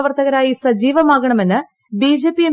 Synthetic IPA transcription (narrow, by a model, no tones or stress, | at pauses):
ʋɐrt̪ʰɐɣɐɾaːjisɐd͡ʑiːʋɐmaːɣɐɳɐme̞nːɨ | biːd͡ʑe̞ːpːije